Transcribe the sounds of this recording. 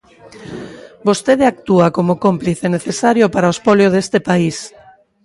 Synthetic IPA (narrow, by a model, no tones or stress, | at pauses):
bost̪eðeak̚t̪uakomokompliθeneθesaɾjopaɾaospoljoðest̪epais